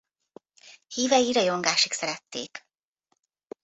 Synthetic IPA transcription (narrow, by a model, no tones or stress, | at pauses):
hiːvɛjiɾɒjo̞ŋɡaːʃiksɛɾɛt̪ːḛːk